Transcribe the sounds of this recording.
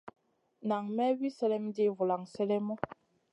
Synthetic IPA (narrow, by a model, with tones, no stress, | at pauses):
na˨ŋmɛ˦wi˦sɛ˦lɛ˦mdi˦˨vu˨la˨ŋsɛ˦lɛ˦mɔ˦